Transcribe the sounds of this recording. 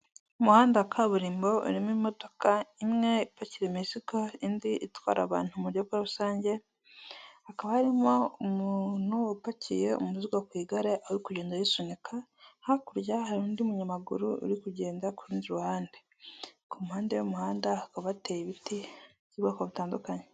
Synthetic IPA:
umuhaːndakʰaβuɾiːmbo̞ṵɾimimo̞to̞kaimŋe̞ipaciɾemisikoindiʔitwa̰ːɾa̰βa̰ːn̥humuɾjobɡwaβusaːɲɟe̞ | hakaβahaɾimo̞umun̥huupacije̞ṵmuziɡwakwiːɡaɾeʔawuɾikuɟeːndajisonikʰahakuɾjahaɾuːndiumuɲamaɡṵɾuṵɾikuɟe̞ːndakuɾiːnziɾuhaːnde | kumuhaːndejomuhaːndaakaβatejiβiti | ciβɡakoβitaːndukaɲe

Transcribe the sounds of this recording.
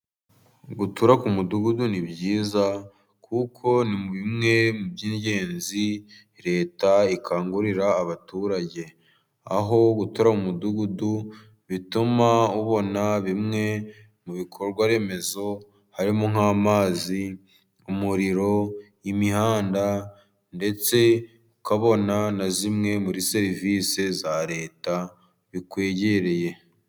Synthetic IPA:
ɡutuɾakumuduɡudunibɟiːza | kʰukʰo̞nimuβimŋe̞mubɟiːɲɟe̞ːnzi | ɾe̞ːtaikʰaːŋɡuɾiɾaːβatuːɾaɟe̞ | a̰ɦo̞ɡutuɾaumuduɡudu | βitumauβo̞naβimŋe̞ | muβikʰoɾɡwaɾe̞ːme̞zo̞ | haɾimoŋ̥amaːzi | umuɾiɾo̞jimihaːnda | nde̞t͡se̞ | ukaβo̞nanazimŋe̞muɾise̞ɾiviːsezaɾe̞ːta | βikwe̞ːɟeɾe̞je̞

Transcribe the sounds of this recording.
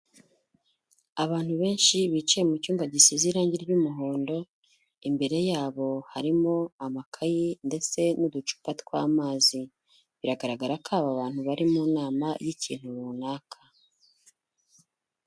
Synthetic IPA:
aβaːn̥huβe̞ːnʃiβit͡ʃajemucuːŋɡaɟisiziːɾaːɲɟiɾɟumuɦo̞ːndo̞ | imbe̞ɾe̞jaːβo̞haɾimo̞amakʰajinde̞t͡se̞nudut͡ʃu̥patkwa̰ːmaːzi | βiɾaɡaɾaɡaɾakʰaːβaβaːn̥huβaɾimunaːmajiciːn̥huβunaːkʰḁ

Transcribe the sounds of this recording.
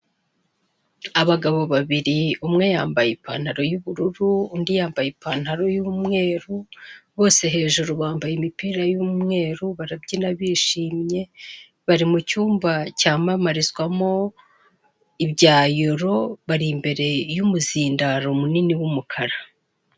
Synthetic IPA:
aβaɡaβo̞βaβiɾiumŋe̞jaːmbajeipa̰n̥haɾo̞juβuɾuɾuːndijaːmbajipaːn̥haɾo̞juːmŋe̞ːɾuβo̞ːse̞ɦe̞ːʒuɾuβaːmbajimipiːɾajuːmŋe̞ːɾuβaɾabɟinaβiʃiːmɲe̞ | βaɾimucuːmvacaːmamaɾizɡwamo̞ | ibɟaːjoɾo̞βaɾimbe̞ɾe̞jumuziːndaɾo̞muniniwumukʰaɾa

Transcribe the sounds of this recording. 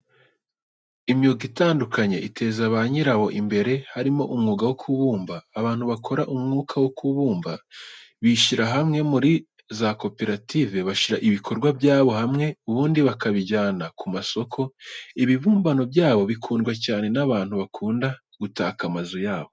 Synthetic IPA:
imjoɡitaːndukʰaɲe̞ʔite̞zaβaɲiɾaβo̞ʔimbe̞ɾe̞haɾimo̞ʔumŋuːɡawokʰuβuːmbaːβaːn̥huβakʰo̞ɾaʔumŋuːkʰawokuβuːmbaβiʃiɾaɦamŋe̞muɾi | zako̞pe̞ɾative̞βaʃiɾaʔiβikʰo̞ɾɡwabɟaːβo̞ɦamŋe̞uβuːndiβakaβiɟaːnakʰumaso̞kʰo̞iβiβuːmbano̞bjaːβo̞βikʰuːndɡwacaːne̞naβaːn̥huβakʰuːnda | ɡ̥utaːkamazujaːβo̞

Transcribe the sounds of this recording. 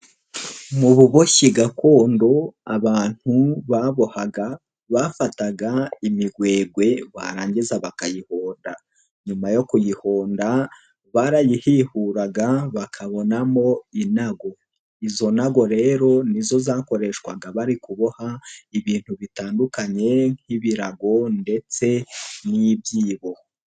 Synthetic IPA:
muβuβo̞çiɡako̞ːndo̞a̰βaːn̥huβaβo̞haɡa | βafataɡaimiɡwe̞ːɡwe̞βa̰ɾaːɲɟizaβakajihoːnda | ɲumajo̞kujiho̞ːnda | βaɾajihihuɾaɡaβakʰaβo̞namo̞inaɡo̞ | izo̞naɡo̞ɾe̞ːɾo̞nizo̞zako̞ɾe̞ʃkwa̰ɡaβaɾikuβohaiβiːn̥huβitaːndukaɲe̞ŋŋ̥iβiɾaɡo̞nde̞t͡se̞niβjiːβo̞

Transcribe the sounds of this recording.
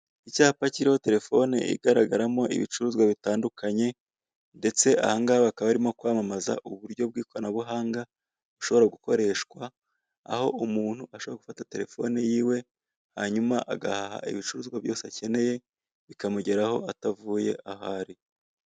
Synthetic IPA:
icaːhapaciɾiho̞te̞ɾe̞fo̞nḛḭɡaɾaɡaɾamo̞ʔḭβḭt͡ʃuɾuːzɡwaβitaːndukʰaɲe̞ | nde̞t͡se̞a̰haŋɡaβakaβaɾimo̞kwaːmamaza̰ʔuβuɾɟo̞b̚ɡiːkoanaβuɦaːŋɡa | βuʃo̞βo̞ɾaɡuko̞ɾe̞ːʃkwa̰ː | ho̞ʔumuːn̥huʔaʃoβoaɡu̥fatate̞ɾe̞fo̞̰nejiːwe̞ | ha̰ɲumaʔaɡa̰haha̰ʔḭβit͡ʃuɾuːzɡwaβjo̞ːseace̞ne̞je̞ | βikamuɟe̞ɾaho̞̰ʔatavuːje̞̰ʔahaːɾi

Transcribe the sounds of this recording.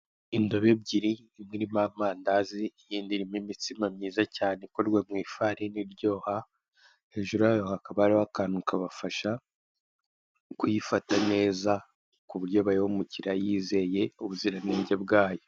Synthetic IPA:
indo̞βe̞b̚ɟiɾi | imŋiɾimaːm̥aːndaziːjiːndiɾimimitimamɲiːzacaːnekoɾɡwemŋiːfaɾiniɾɟo̞ːha | he̞ːʒuɾujajohakaβaaɾiwakaːnukaβafaʃa | kujifatane̞ːza | kuβuɾɟo̞βaɾihumuciɾajiːze̞je̞uβuziɾaniːɲɟebɡaːjo

